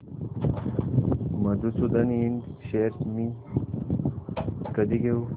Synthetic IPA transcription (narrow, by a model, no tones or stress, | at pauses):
mɐd̪ut͡sud̪ɐnindɕeɾmi | kɐd̪iɡeu